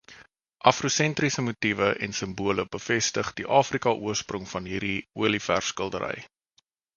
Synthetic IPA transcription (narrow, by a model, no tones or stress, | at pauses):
ʔɐfrusɛnt̪risəmutivəʔɛ̰nsəmbuələbəfɛstəχdiʔɑːfrikɑʔuərsprɔŋfɐnɦiːrdiuəlifærskəlˠdəɾʔə̰j